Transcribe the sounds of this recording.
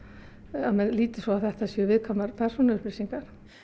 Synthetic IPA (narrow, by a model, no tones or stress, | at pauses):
amɛnliːt̪ɪsɔaθɛht̪asjœvɪðkʰamaɾpʰɛr̥sunaʏhplɪsiŋkaɾ̥